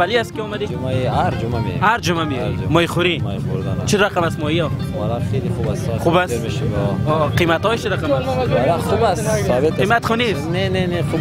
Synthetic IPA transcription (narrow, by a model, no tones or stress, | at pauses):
aliast̪kiɔmad̪id͡ʒmaiaɾd͡ʒumamḛhaɾd͡ʒumameimɔjχuɾiɔioɾd̪ant͡ʃʰiɾaqamast̪mɔiɔ | malaχeliχubasaχubasmeʃiɔqimat̪hɔjt͡ʃʰiɾaqaalaχubasaɔbet̪imat̪χunisneneneχu